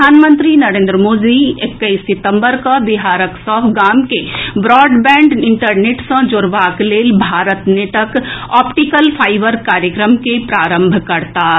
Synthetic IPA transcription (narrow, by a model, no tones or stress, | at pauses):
aːnmə̃nt̪ɾinɐɾẽːnd̪ɾəmoːd̪iekːəisɪt̪ə̃mbəɾkabɪɦaːɾəksɔːfɡaːmkebɾɔːɖbɛ̃ːɳɖɪ̃ɳʈəɾneːʈsə̃d͡ʒʊɾʋaːkleːlbʱaːɾət̪neʈəkɔːpʈikəlpʰaːɪʋəɾkaːɾjəkɾəmkepɾaːɾə̃mbʱkɐɾt̪aː